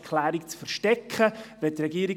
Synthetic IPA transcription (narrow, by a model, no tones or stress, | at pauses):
kʰlæːɾikt͡sfəɾʃtɛkχəvɛtɾɛɡiːɾi